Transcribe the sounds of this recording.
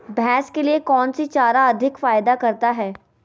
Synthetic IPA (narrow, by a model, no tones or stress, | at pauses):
bʱɛ̃ːskeliekɔːnsit͡ʃaːɾaɐd̪ʱɪkfaːjd̪akɐɾt̪aɦɛː